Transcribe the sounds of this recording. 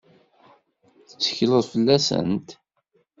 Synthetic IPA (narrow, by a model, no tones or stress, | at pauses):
θə̥t͡sːə̥çləðˤfəlːæsə̰nt̪